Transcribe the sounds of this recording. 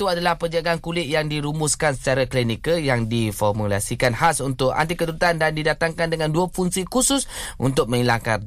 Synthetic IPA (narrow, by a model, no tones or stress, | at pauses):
t̪uadalahpəd͡ʒaɡaankulɪt̪̚jaŋdiɾumʊskansə̥t͡ʃaɾaklinikəjaŋdifɔrmula̰sikanhasunt̪ʊka̰nt̪ikət̪uɾut̪andandidat̪aŋkandəŋãnduafuŋsikusʊsʔṵnt̪̬ʊk̚mə̃ŋilaŋka̰n